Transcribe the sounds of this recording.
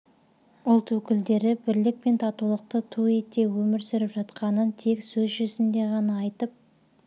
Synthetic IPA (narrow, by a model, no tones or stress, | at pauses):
ʊlˠt̪wɵkʲɪld̪e̞ɾɪbɪɾlɪk̚pe̞nt̪ʰɑt̪ulˠəq̚t̪ət̪ʰue̞t̪e̞wɵmɪɾsɪɾɪpʒɑt̪qɑnənt̪ʰe̞ksɵzʒɵzɪnd̪e̞ʁɑnɑɑjt̪əp̚